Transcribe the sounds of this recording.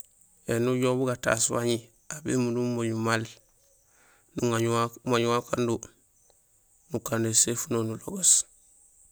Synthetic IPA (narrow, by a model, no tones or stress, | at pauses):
enuɟoːbuɡata̰swaɲi | abemunumoɲumal | nuŋaɲmaɲuwakandu | nukandesefunonulo̰ɡas